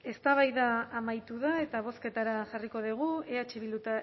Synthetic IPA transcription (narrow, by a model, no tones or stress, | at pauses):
e̞st̪aβajðaːmajt̪uðae̞t̪aβ̞o̞ske̞t̪aɾaʝariko̞ðiɣ̞ue̞at͡ʃe̞βilut̪a